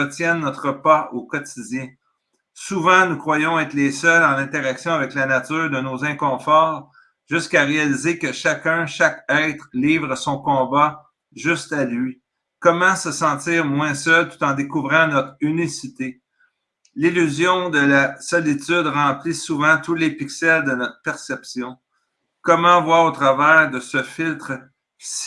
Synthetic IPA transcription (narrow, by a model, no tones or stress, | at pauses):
ətsjɛnːɔt̪χəpaokɔt̪idd͡zʲjɛ̃ | suvɑ̃nukʁwajɔ̃ɛːt̪lesœlɑ̃lɛ̃t̪eʁaksjɔ̃avɛklanat̪yːʁd̪ənozɛ̃kɔ̃fɔːʁ | ʒ̥ɨskaʁealizekəʃakʲœ̃ʃakɛɪt̪χliːvʁəsɔ̃kɔ̃ba | ʒʏst̪alɥi | kɔmɑ̃səsɑ̃t̪iːʁmwɛ̃sœlt̪u̥t̪ɑ̃d̪ekuvʁɑ̃nɔt̪χynisit̪e | lilyzjɔ̃d̪əlasɔlit̪yd̪ʁɑ̃ːplisuvɑ̃t̪ulepiksɛld̪ənɔt̪χəpɛʁsɛpsjɔ̃ | kɔmɑ̃vwaʁot̪ʁavɛːʁd̪əsəfɪlt̪ʁ